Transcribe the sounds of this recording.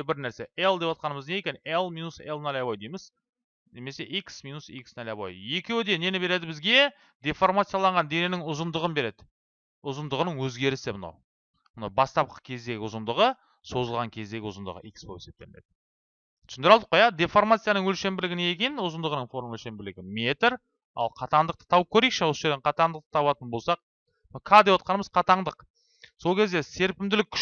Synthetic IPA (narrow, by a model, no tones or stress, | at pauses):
bɪɾnæɾse̞ʔelˠd̪e̞pɑt̪̚qɑnəməzne̞jekʲe̞nelˠminuselˠnɑlʲabojd̪ejmɪz̥ | ne̞me̞seʔiksminusḭksnælʲebo̰je̞kʲe̞wɪd̪e̞ne̞nɪbe̞ɾe̞d̪ɪbɪzɡʲe̞ | d̪efo̞rmat̪sijalˠɑɴʁɑnd̪e̞nenɪŋʊzənd̪əʁənbe̞ɾe̞d̪ɪ | ʊzənd̪əʁənəɴwɵzɡʲe̞ɾɪsemənɑ̰w | mənɑwbɑst̪ɑp̚qəkʲʰe̞zd̪e̞ɡʲɪʊzənd̪əʁə | so̞zəlˠʁɑŋkʲʰe̞zd̪e̞ɡʲɪʊzənd̪əʁə̰ʔikspo̞e̞se̞p̚t̪e̞̰nḛd̪ɪ̥ | t̪ʰʏ̥snd̪ɪɾɑld̪əqːojɑd̪efo̞rmat̪sijanəɴwɵlʃe̞mbɪlɪɡʲɪneekʲenʊzənd̪əʁənəɴfo̞ɾmwɵlʃe̞mbɪlɪɡʲɪmet̪ɪɾ | ɑ̰lˠqʰɑt̪ɑnd̪əq̚t̪ə̥t̪ʰɑwəp̚kʲʰɵɾejkʃɪwo̞səʒe̞ɾd̪eɴqʰɑt̪ɑɴd̪əqt̪ə̥t̪ʰɑβɑt̪ənbo̞lˠsɑq̚ | kʰɑd̪ewot̪̚qɑnəməzqʰɑt̪ɑɴd̪əq | so̞lˠkʲʰe̞zd̪e̞se̞ɾpɪmd̪ɪlɪkʲʰːʏ̥